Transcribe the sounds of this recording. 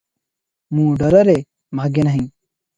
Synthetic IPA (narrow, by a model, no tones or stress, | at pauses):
mũːɖɐɾɐɾe | maːɡenɐɦĩ